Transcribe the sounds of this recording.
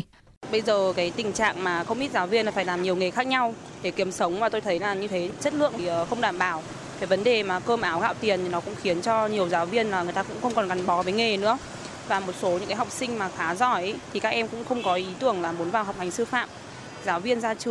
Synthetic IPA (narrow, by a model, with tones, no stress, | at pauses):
ɓə˧jzəː˨˩kaː˨˦jt̪ï˨˩ŋ̟t͡ɕa̰ː˧˨ŋmaː˨˩xə˧wŋ͡mʔi˦˥t̚zaː˨˦wvi˧ənːa˨˦faː˧˩jlaː˨˩mɲi˨˩əwŋi˨˩xaː˦˥k̚ɲa˧w | ɗe˧˩ki˨˦əmsə˨˦wŋ͡mmaː˨˩t̪o˧jt̪ʰə˨˦jlaː˨˩ɲɨ˧t̪ʰe˨˦t͡ɕə˦˥t̚lɨ̰˧˨əŋː˨˩˨xə˧wŋ͡mɗaː˧˩mɓaː˧˩w | faː˧˩və˨˦nɗe˨˩maː˨˩kəː˧mʔaː˨˦wɣa̰ː˧˨wt̪i˨˩ənt̪ʰi˨˩nɔ˨˦kʊ̰˧˥ŋ͡mxi˨˦ənt͡ɕɔ˧ɲi˨˩əwzaː˨˦wvi˧ənlaː˨˩ŋɨ˨˩jt̪aː˧kʊ̰˧˥ŋ͡mxə˧wŋ͡mkɔ˨˩nka˨˩ŋɓɔ˨˦vəː˨˦jŋe˨˩nɨ̰˧˥ə | vaː˨˩mo˨˩t̚so˨˦ɲɨ̰˧˥ŋkːa˨˦ɦa˨˩k͡p̚sï˧ŋ̟maː˨˩xaː˨˦zɔ˧˩jʔt̪ʰi˨˩kaː˦˥k̚ʔɛ˧mkʊ̰˧˥ŋ͡mxə˧wŋ͡mkɔ˨˦ʔi˨˦t̪ɨ˧˩əŋlaː˨˩mo˨˦nvaː˨˩wɦa˨˩wk͡p̚ha˨˩ŋ̟sɨ˧fa̰ː˧˨m | zaː˨˦wvi˧ənzaː˧t͡ɕɨ˧